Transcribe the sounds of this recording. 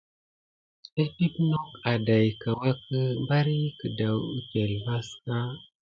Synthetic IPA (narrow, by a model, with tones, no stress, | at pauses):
e˦ti˦pno˦ka˨da˨jka˨wa˦kə˦mba˦ɾi˦kə˨da˨wu˦ke˨lma˦ska˦